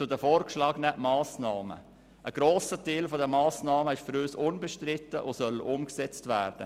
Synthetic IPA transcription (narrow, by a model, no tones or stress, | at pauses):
t͡sʊdəfoːɾkʃlɑːɡnɛʔmɑːsnɑːmə̰ | ʔəɡ̥ɾoːsətelfɔdəmɑːsnɑːməɪʃfyɾøːsʊnbɛʃtɾɪtːəʔosœlʔʊmksɛt͡stvæːɾd̥ə̰